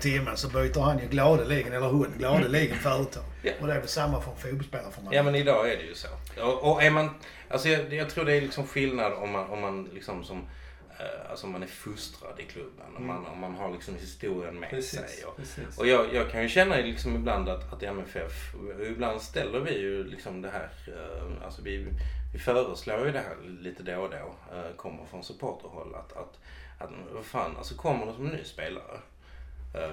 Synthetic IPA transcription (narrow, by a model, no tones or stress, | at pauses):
t̪ʰɪmːəsɔbœjt̪əɾhanjɵɡlɑːd̪əliɡənɛlːəɾhʊnɡlɑːd̪əliɡənfœɾət̪ʰɔjaɔd̪ɛæɾvɛsamːafɔɾɔnfut̪̚bɔlspeːlaɾəfɔmajaːmɛnɪd̪ɑːæɖɛjɵso̰ːɔʔɔæɾman | ʔa̰lsɔjɑjɑːt̪ʰɾuːɖɛːɾlɪksɔmɧɪlnad̪ɔmːanɔmːanlɪksɔmsɔm | a̰lsɔɔmːanæɾfɵst̪ɾa̰d̪ɪkʰlɵbːə̰nɔma̰nɔ̰mːanɦaɾɭɪksɔmhɪst̪uːɾɪənmɛ̰ːsɛ̰jɔ̰ɔjɑːɡjʔɑːɡ̚kʰanjɵɕɛnːaɪlɪksɔmɪbland̪at̪at̪ɛmɛfɛfɔɪbland̪st̪ɛlːəɾvɪjɵlɪksɔmd̪ɛɦæːɾa̰lsɔvɪvɪfœːɾəsloːjɵd̪ɛɦæ̰ːɾliːt̪əd̪od̪oː | kʰɔmːə̰ɾfɾɔnsɵpʰoːʈʰəɾhɔ̰lːa̰t̪a̰t̪ | at̪vafaːna̰lsɔkʰɔmːəɖɛsɔmɛnnːy̰ːspeːla̰ɾə̰